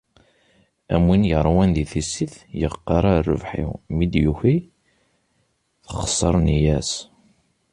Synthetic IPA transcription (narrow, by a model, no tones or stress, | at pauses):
æ̰mwinjəɾˤwænðiθisiθjəqːɑɾˤarːə̰vħḭwmid̪juçi | θəχsˤːəɾˤnjæs